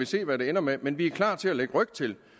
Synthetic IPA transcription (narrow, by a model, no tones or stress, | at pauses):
ise̝̰ːʋæɾ̥e̝enɐmemenʋiæɐkʰlɑ̰̈ːt͡sʰe̝æleɡ̥əʁœɡ̥̚t͡sʰe̝l